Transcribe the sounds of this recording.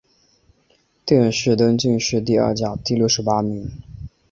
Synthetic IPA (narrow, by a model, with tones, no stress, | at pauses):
t̪jɛ˥˧nʂɻ̩˥˩t̪ɤ˥ŋt͡ɕy˥˧ŋʂɻ̩˥˧t̪̬i˥˧ɐ̰˞˥˩t͡ɕjɑ˨˩ʊt̪i˥˧ljʊʂɻ̩˧˥pa˥mi˧˥ŋ